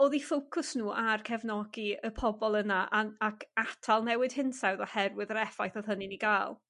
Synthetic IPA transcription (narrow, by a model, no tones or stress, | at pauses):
oːðifowkʰʊsnuːʔarkʰɛvnɔɡiəpʰɔbɔlˠənaʔaakʰatʰalˠnɛwɪɨd̥hɪnsawðɔhɛrwɪðɾɛfajθɔð̥ɦəniniɡaːlˠ